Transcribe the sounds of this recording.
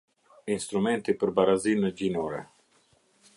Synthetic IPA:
inst̪ɾumɛnt̪ipəɾbaɾazinəɟinɔɾɛ̰

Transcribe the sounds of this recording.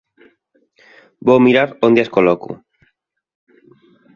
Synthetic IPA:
bowmiɾaɾond̪easkolokṵ

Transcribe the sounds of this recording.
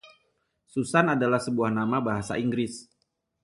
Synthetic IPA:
susanadalahsəbuahnamabaɦasa̰ʔiŋɡɾɪs

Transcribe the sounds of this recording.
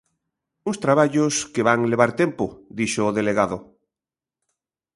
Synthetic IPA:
uŋst̪ɾaβaʎoskeβaŋleβ̞aɾt̪empod̪iʃoːðeleɣaðo

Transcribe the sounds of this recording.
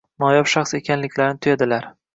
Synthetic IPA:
mɒjɒpʃaχse̞kʲʰanlɪkʲʰlaɾnɪt̪ʰʊjad̪ɪlaɾ

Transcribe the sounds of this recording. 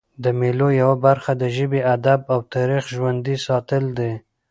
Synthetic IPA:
d̪əmelojawabaɾxad̪əʒəbead̪abawt̪ɑɾixʒwand̪isɑt̪əld̪e

